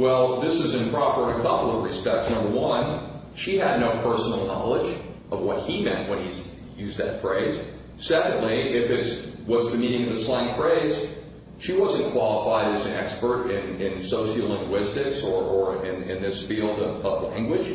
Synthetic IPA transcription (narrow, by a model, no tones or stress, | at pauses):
wɛlˠðɪsɨzɨ̃npʰɹ̥ɑpə˞ɾɨkʰʌpl̩ˠʌvɹɨspɛk̚tsnʌ̃mbə˞wʌ̃n | ʃiɨdⁿnoʊpʰɜ˞sn̩l̩ˠnɑ̰lˠəd͡ʒ | ʔʌvwʌt̚himɛ̃nʔwə̃niz | jʉzðɨ̰tfɹeɪz̥ | sɛkɨ̃n̩dˡliɪfɪtswʌtsðɨmĩñɪ̃ŋʌvɨslæ̃ɪ̃ŋfɹeɪz̥ | ʃiwʌzɨ̃nkʰw̥ɑlˠəfaɪɾɨzɨ̃nɛkspə˞ɾɪ̃nɪ̃nsoʊʃlɪ̃ŋɡwɪstɪksə˞ʔə˞ɪ̃nɪ̰̃nðɪsfilˠdʌvʌvlæ̃ŋɡwɨd̥ʒ̥